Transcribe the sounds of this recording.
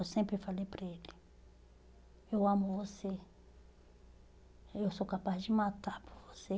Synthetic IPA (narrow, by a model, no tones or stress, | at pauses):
ewsẽmpɾɪfalejpɾaelɪ | ewɐ̃mʊvose | ewsokapazd͡ʒɪmat̪apʊɾvose